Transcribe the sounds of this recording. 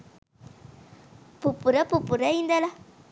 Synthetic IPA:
pupuɾapupuɾaindala

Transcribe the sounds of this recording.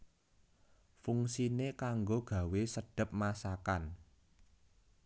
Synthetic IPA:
fuŋsinekaŋɡoɡ̥ä̤wesəɖ̥ə̤p̚masakan

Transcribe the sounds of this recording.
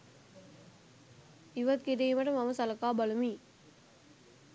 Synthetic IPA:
iʋɐt̪̚kiɖejmɐʈɐmɐmɐsɐlɐkaːbɐlumi

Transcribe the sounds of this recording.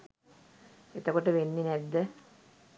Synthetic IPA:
et̪əkoʈəʋenːinæd̪ːə

